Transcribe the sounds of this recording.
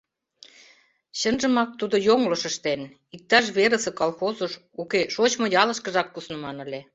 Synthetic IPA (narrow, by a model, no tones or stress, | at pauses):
ɕənʒə̆mɑk̚t̪ud̪ojoŋloʃəʃt̪en | ik̚t̪ɑʃ̬βeɾə̆sɤ̆kɑlxozoʃ | ukeʃot͡ɕmŏjɑləʃkə̆ʒɑk̚ːusnə̆mɑnə̆lʲe